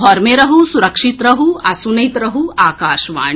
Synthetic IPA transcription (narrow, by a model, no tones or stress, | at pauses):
ɦɔɾmeɾɐɦusuɾɐkʂit̪ɾɐɦuɐsunɐjt̪ɾɐɦuaːkaːʃʋa̰ː